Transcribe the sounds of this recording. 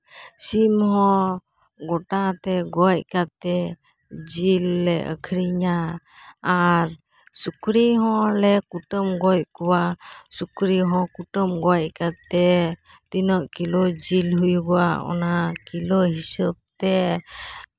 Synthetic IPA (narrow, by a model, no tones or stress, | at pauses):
simɦɔ̃ | ɡɔʈat̪ɛɡɔjkat̪ɛ | d͡ʒilːɛ̰ə̰kʰɾiɲaː | ɾ | sukɾiɦɔ̃lɛkuʈəmɡɔjkɔwasukɾiɦɔ̃kuʈəmɡɔc̚kat̪ɛ | t̪inəʔkilɔd͡ʒilɦujuɡɔwaɔ̰nakilɔɦisəb̚t̪ɛ